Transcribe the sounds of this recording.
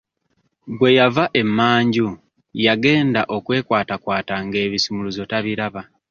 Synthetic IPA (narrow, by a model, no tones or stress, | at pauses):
ɡwe̞javaʔe̞mːaːɲɟu | jaɡe̞ːndaʔo̞kwe̞ːkwaːtakwaːtaŋɡe̞ːβisumuluzo̞taβiɾaβa